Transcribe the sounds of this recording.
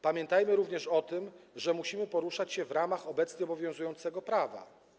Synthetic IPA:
pamʲjɛnt̪ajmɘɾuvɲɛʂɔt̪ɘmʐɛmuɕimɘpɔɾuʂat͡ɕɕɛvɾamaxɔbɛt̪sɲɛɔbɔvʲjɔ̃zujɔ̃nt̪sɛɡɔpɾava̰

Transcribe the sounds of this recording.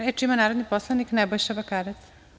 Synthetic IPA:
ɾeʈimanaɾod̪nipɔslaniknɛbɔʃabakaɾet̪

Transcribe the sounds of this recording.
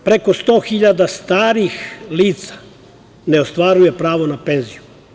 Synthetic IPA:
pɾeko̞st̪o̞ːxiʎad̪ast̪aːɾixliːt̪sḁ | ne̞o̞st̪ʋaːɾuje̞pɾaːʋo̞nape̞nziju

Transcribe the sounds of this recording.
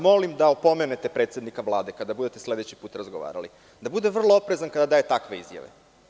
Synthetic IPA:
mo̞limd̪aopo̞menet̪epɾe̞t̪sʲed̪nikaʋlˠaːd̪e̞kad̪abud̪e̞t̪e̞sle̞d̪et͡ɕi̥puːt̪ɾazɡoʋa̰ːɾa̰lḭ | d̪abud̪e̞ʋr̩lˠoopɾe̞zankad̪ad̪aːje̞t̪akʋe̞ḭzja̰ʋḛ

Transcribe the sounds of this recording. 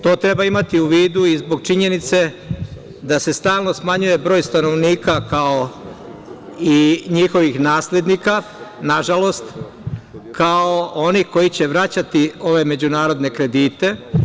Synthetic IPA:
t̪o̞ːt̪ɾe̞baimat̪iuʋiːd̪uizbo̞ɡ̚t͡ʃiɲe̞nit̪se̞ | d̪ase̞st̪aːlˠno̞smaɲuje̞bɾo̞ːjst̪ano̞ʋniːkakao | iɲixo̞ʋixnaːsle̞d̪nika | naʒalo̞st̪ | kaoo̞nixko̞jit͡ɕe̞ʋɾat͡ɕat̪io̞ʋe̞me̞d͡ʑunaːɾo̞d̪ne̞kɾe̞d̪iːt̪e̞

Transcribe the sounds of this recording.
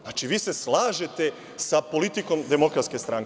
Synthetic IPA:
at͡ʃiʋiːse̞slˠaːʒe̞t̪e̞ | sapo̞lit̪iko̞md̪emo̞kɾat̪ske̞st̪ɾaŋk

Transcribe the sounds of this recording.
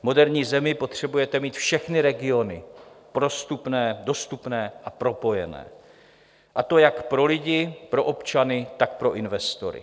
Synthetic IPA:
mo̞dɛɾɲiːzɛmɪpo̞t̪r̝̥ɛbujɛt̪ɛmiːt̪fʃɛxnɪɾɛɡɪo̞nɪpɾo̞st̪upnɛːdo̞st̪upnɛːʔapɾo̞po̞jɛ̰nɛ̰ː | ʔat̪o̞jakpɾo̞lɪɟɪpɾo̞ʔo̞pt͡ʃanɪt̪ak̚pɾo̞ʔɪnvɛst̪o̞̰ɾɪ̰

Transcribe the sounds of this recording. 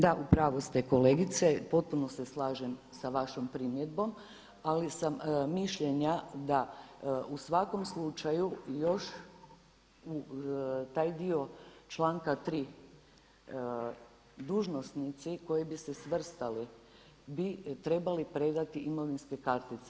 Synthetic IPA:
d̪aʔupɾaːʋost̪eko̞leːɡit̪sepo̞t̪̚puno̞seslaːʒemsaʋaʃompɾimjed̪bo̞m | alisammiʃʎeɲad̪aʔusʋako̞mslˠut͡ʃajujo̞ʃ | u | t̪aːjd̪io̞t͡ʃlˠaːŋkat̪ɾiː | d̪uːʒno̞snit̪siko̞jibisesʋr̩st̪ali | bit̪ɾe̞balipɾe̞d̪at̪iʔimo̞ʋinske̞kaɾt̪it̪se

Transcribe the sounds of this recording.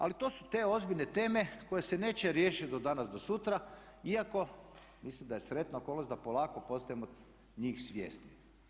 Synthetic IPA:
a̰lit̪o̞ːsu̥t̪e̞o̞zbiʎne̞t̪e̞ːme̞ko̞je̞sene̞ːt͡ɕeɾje̞ːʃit̪̚d̪od̪anasd̪o̞sut̪ɾa | iako̞ | mislimd̪ajesɾe̞t̪naoko̞lnosʲd̪apolˠaːkopo̞st̪ajemo | ɲiːxsʋʲjḛːst̪ni

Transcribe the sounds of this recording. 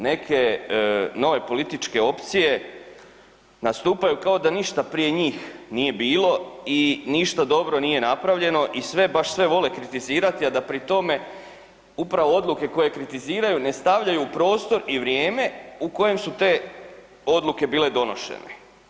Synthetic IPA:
ne̞kʰe̞ | no̞ʋe̞po̞lit̪it͡ʃke̞o̞pt̪sije̞ | nast̪uːpajukao̞d̪aniʃt̪apɾije̞ɲiːxnije̞biːlo̞iniʃt̪ad̪o̞bɾo̞nije̞napɾaʋʎe̞no̞ʔisʋe̞baʃsʋe̞ʋo̞le̞kɾit̪iziːɾat̪iad̪apɾit̪o̞me̞ | upɾaʋo̞o̞d̪lˠuke̞ko̞je̞kɾit̪iziːɾajune̞st̪aʋʎajupɾo̞ːst̪o̞ɾiʋɾjeːme̞uko̞je̞msut̪e̞ː | o̞d̪luke̞biːle̞d̪o̞no̞ʃḛnḛ

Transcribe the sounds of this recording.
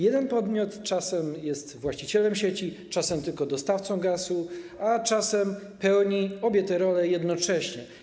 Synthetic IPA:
jɛd̪ɛnpɔd̪mʲjɔt̪t͡ʂasɛmjɛst̪vwaɕt͡ɕit͡ɕɛlɛmɕet͡ɕi | t͡ʂasɛmt̪ɘlkɔd̪ɔst̪aft̪sɔ̃w̃ɡasuat͡ʂasɛm | pɛwɲiɔbʲjɛt̪ɛɾɔlɛjɛd̪nɔt͡ʂɛɕɲɛ

